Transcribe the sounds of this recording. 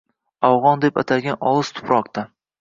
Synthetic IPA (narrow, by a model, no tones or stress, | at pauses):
awʁɒnd̪e̞pat̪ʰaɡʲanɒlˠɨz̥t̪ʰʊ̥pʰɾɒqt̪a